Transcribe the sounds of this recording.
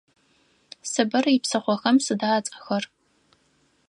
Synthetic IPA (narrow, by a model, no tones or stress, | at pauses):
sɨbɐripsɐχʷɔxɐmsɨdaːt͡sʼɐ̥xɐr